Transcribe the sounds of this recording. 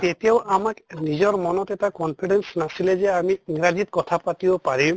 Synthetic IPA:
t̪et̪ewʔamaknid͡ʒɔɾmɔnɔt̪etakɔnpʰiɖensnasiled͡ʒeamiiŋɾad͡ʒit̪kɔt̪ʰapat̪ibopaɾi

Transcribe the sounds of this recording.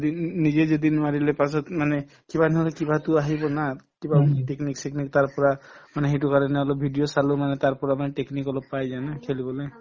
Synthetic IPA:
d̪inizezed̪inmaɹilɛpasɔt̪manɛ | kibanɔɦɔlɛkibat̪ʊaɦibɔnakibateknikseknik̚t̪aɹpɔɹamanɛɦejt̬ukaɹɔnɛɔlɔp̚bʱiɖijɔsalumanɛt̪aɹpɔɹamanɛʈeknikɔlɔb̚pːajzajnakʰelibɔlej

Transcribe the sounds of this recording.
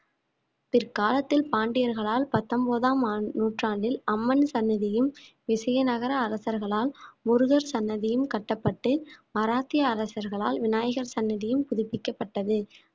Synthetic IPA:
pɪrkaːlɐt̪ːɪlpaːɳɖɪjɐɾɣɐɭaːlpɐt̪ːɐmboːðaːmːnuːʈraːɳɖɪlɐmːɐnsɐnːɐðɪjɯmʋɪsɐjɐnɐɣɐɾɐːɾɐsɐɾɣɐɭaːlmʊɾʊɣɐɾsɐnːɐðɪjɯmkɐʈːɐpːɐʈːɯmɐɾaːt̪ːɪjɐːɾɐsɐɾɣɐɭa̰ːlʋɪnaːjɐɣɐɾsɐnːɐðɪjɯmpʊðɪpːɪkːɐpːɐʈːɐðɯ

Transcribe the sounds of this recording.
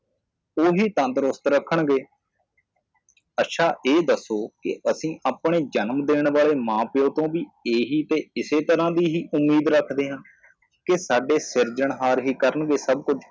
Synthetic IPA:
oːɦiːt̪ə̃nt̪ɾʊst̪ɾəkʰːəɳɡeː | ətːʃʰaːʔeːd̪əsːoːkɪ̰ʔəsĩːʔaːpɳeːd͡ʒənmd̪eːɳʋaːɭeːmãːpɪjõːt̪õːʋiːeːɦiːt̪eːɪseːt̪əɾãːd̪iːɦiːʔʊmːiːd̪ɾəkʰd̪eːɦən | kɪsaːɖeːsɪɾd͡ʒəɳɦaːɾɦiːkəɾəɳɡeːsəb̚kʊd͡ʒ

